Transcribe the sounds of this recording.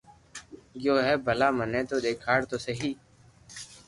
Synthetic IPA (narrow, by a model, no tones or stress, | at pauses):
ɡjoːɦɛːbʱəlaːmənẽːt̪oːd̪eːkʰaːɽt̪oːsəɦiː